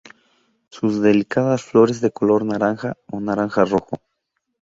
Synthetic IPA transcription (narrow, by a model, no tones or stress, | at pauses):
suzðe̞likaðasflo̞ɾe̞zðe̞ko̞lo̞ɾnaɾaŋxaonaɾaŋxaro̞xo